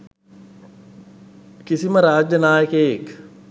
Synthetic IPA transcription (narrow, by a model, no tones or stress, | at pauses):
kisiməɾaːd͡ʒjɐnaːjəkeːjek